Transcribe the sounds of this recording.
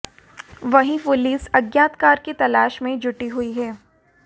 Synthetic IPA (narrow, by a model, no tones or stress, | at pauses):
ʋɐɦĩpʊliːsɐɡjaːt̪kaːɾket̪ɐlaːʃmẽd͡ʒʱʊʈiɦuiɦɛː